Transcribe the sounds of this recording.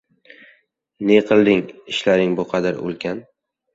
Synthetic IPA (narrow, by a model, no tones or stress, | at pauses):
neqʰɨlˠd̪ɪŋɪʃlaɾɪŋbʊqʰɑd̪aɾo̰lˠkʲʰan